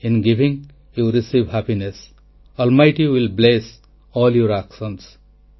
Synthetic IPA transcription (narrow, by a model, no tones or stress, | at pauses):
ɪ̃nɡiʋĩŋ | juɾisiːʋhæpines | ɔlmaɪʈiwɪlbles | ɔːljoɾæksə̃ns